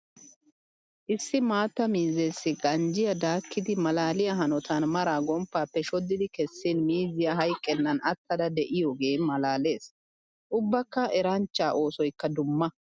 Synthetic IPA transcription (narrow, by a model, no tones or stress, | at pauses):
ʔɪsːɪmaːt̪ːɐmiːzeːsːɪɡɐnd͡ʒɪjɐd̪aːkʰːɪd̪ɪmɐlaːlɪjɐɦɐnɔt̪ɐnmɐɾaːɡɔmpːaːpːɛʃɔd̪ːɪd̪ɪkɛsːinmiːzɪjɐɦɐjkʼːɛnːɐnɐt̪ʰːɐd̪ɐd̪ɛʔɪjoːɡe̞ːmɐlaːle̞ːs | ʔʊbːɐkːɐʔɛɾɐnt͡ʃːaːʔo̞ːsɔjkːɐd̪ʊmːɐ